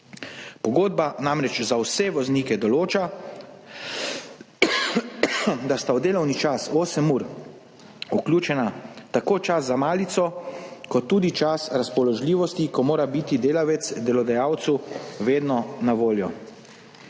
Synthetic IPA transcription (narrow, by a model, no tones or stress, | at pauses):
pɔɡoːd̪̚banamɾɛt͡ʃzawsɛʋɔzniːkɛd̪ɔloːt͡ʃa | d̪ast̪awd̪eːlɔwnit͡ʃasoːsɛmuɾ | ukljuːt͡ʃɛnat̪akoːt͡ʃas̬zamaːlit̪sɔkɔt̪ːuːd̪it͡ʃasɾaspɔlɔʒliːʋɔst̪ikɔmoːɾabiːt̪id̪eːlaʋɛt̪sd̪ɛlɔd̪ajaːwt̪suʋeːd̪nɔnaʋoːljɔ